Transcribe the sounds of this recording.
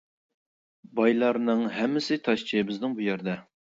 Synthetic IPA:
bɑjlˠɑɾnɨŋɦɛmːɪsɪt̪ʰɑʃt͡ʃʰijbɪznɪŋbujɛɾd̪ɛ

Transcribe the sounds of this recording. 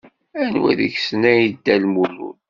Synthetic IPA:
ænwæ̰ðəçsnæjid̪ːælmulṵl

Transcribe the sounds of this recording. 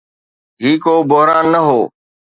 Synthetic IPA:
ɦiːkoːboɦɾaːnːəɦoː

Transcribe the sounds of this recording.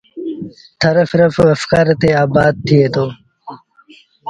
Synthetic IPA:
t̪ʰɐɾɐfɾɐfɐfkaɾt̪eːaːbaːd̪̚t̪ʰːieːt̪oː

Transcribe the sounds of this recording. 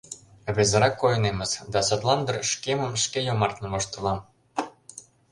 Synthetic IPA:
βezə̆ɾɑkːojɤ̆nemə̆zd̪ɑsot̪lˠɑnd̪ə̆rʃkemə̆mʃkejomɑrt̪nɤβoʃt̪ə̆lˠɑm

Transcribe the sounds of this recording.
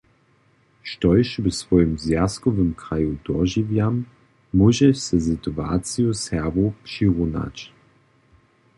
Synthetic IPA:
ʃtɔjʃvɛsvɔjəmzjaskɔvəmkʁajud̥ɔʒivjamː | uʒɛʃsɛzitua̰t͡sijɔsɛvopʂiʁuna̰t͡ɕ

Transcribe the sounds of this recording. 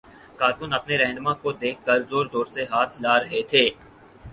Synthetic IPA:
kaːɾkʊnɐpneɾɛ̃ːnmãkod̪eːkʰːəɾzoːɾzoːɾseɦaːt̪ʰɦɪlaɾɐɦet̪ʰeː

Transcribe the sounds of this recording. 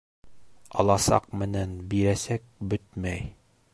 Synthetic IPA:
ɑ̰lˠɑsɑ̰qmɘ̆nænbiɾæsæk̚bɵt̪mæj

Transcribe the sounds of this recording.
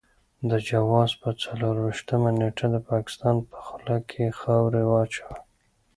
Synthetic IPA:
d̪əd͡ʒawɑzpət͡saloɾwiʃt̪əmaneʈʰad̪əpɑkɪ̥st̪ɑnpə̥xʊlɑkʰexawɾewɑt͡ʃa

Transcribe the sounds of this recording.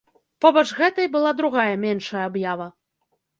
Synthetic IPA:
pɔbɐt͡ʂɣɛt̪ɐjbɨlˠad̪ɾuɣajɐmʲɛnʂɐjɐabjavɐ

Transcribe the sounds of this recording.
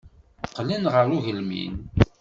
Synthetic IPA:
qːlinʁəɾuʝəlmḭn

